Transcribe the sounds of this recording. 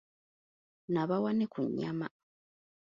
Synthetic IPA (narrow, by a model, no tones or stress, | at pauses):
naβawanekuɲːa̰ma